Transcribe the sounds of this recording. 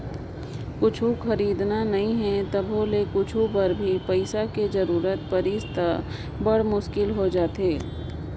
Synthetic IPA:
kʊt͡ʃʰũxɐɾiːd̪nanɐɦĩɦɛ̃t̪ɐbɦolekʊt͡ʃʰupɐɾbʱipɐɪsakezɐɾuːɾət̪̚pɐɾiːst̪a | bɐɽ̤mʊʃkɪlɦod͡ʒaːt̪eː

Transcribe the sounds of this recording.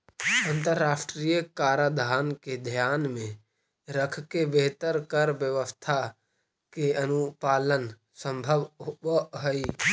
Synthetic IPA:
ənt̪əɾːaːsʈɾijəkaːɾad̪ʱaːnked̪ʱjaːnmẽ | ɾəkʰkebeɦt̪əɾkəɾʋjəʋəst̪ʰa | keənupaːlən | sə̃mbʱəʋɦobəɦəi

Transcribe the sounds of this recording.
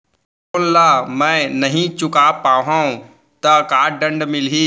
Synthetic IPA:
koːnlaːmɛ̃ːnɐɦĩt͡ʃʊkaːpaːʋɦãːũ | t̪ɐkaːɖɐ̃ɳɖmɪlɦiː

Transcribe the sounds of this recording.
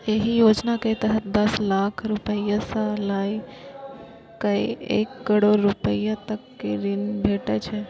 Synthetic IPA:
eɦijod͡ʒnakəit̪əɦət̪d̪əslakʰɾupəjasalai | kəiḛkːəɽoɾɾupəjat̪əkːeɾinbʱeʈet͡ʃʰe

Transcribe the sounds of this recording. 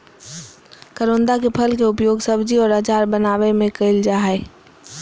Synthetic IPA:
kəɾõːnd̪akepʰəlkeʊpjoːɡsəbd͡ʒiɔːɾət͡ʃaːɾbənaːʋemẽkəɪld͡ʒaːɦɛ

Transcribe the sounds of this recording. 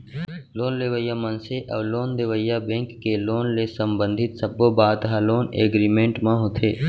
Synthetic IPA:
loːnleʋəjaːmənseʔəːloːnleʋəjabẽŋkːeloːnlesəmbə̃nd̪ʱɪt̪səbobaːd̪ɦaloːnḛːɡɾiːmẽːɳʈmãɦʊt̪ʰeː

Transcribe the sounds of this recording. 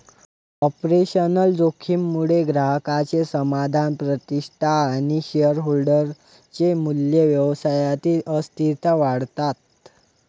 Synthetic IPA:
ɔpɾeɕənəld͡zokʰimːuɽeɡɾaɦəkat͡sesəmad̪ʱanpɾət̪iʂʈʰaːɽ̃iɕeəɾɦolɖəɾ | t͡semuljeʋjəʋsajat̪iːʔəst̪it̪aʋaɽt̪at̪

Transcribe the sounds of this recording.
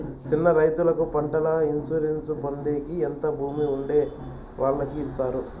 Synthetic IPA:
t͡ʃinːɐɾɐjt̪ulɐkupɐɳʈɐlɐinsuɾensupoɳɖeːkient̪ɐbʱuːmiuɳɖe̞ː | ʋʔaːɭːɐkiːst̪aːɾu

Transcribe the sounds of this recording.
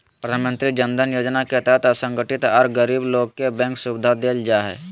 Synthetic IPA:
pɾəd̪ʱaːnmə̃nt̪ɾid͡ʒə̃nd̪ʱənjoːd͡ʒnakeɦət̪ɛɦɛt̪əsə̃ŋɡəʈɪt̪ɐɾɡəɾiːbloːɡ̚kebɛ̃ŋksʊbɪd̪ʱad̪eːld͡ʒaɦɛ̰ː

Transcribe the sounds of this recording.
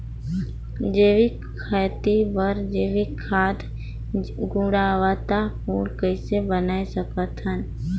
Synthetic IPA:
d͡ʒeːʋi | kʰaːt̪ibəɾd͡ʒeːʋikʰaːd̪ | ɡũɽaːʋat̪apuːɽkəɪsebənaːesəkət̪ɦən

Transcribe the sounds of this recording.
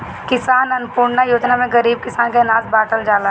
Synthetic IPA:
kɪsaːnɐnpuːɾɽnajoːd͡ʒnamẽɡɐɾiːb̚kɪsaːnkenaːsbaːʈəld͡ʒaːla

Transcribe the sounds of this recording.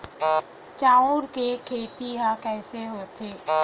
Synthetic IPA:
t͡ʃaːuɾkekʰeːt̪iɦãkɛːseɦoːt̪ʰeː

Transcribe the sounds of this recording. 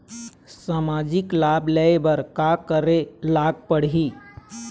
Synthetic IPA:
samad͡ʒiklablɛebəɾkakəɾelaɡ̚pəɽɦi

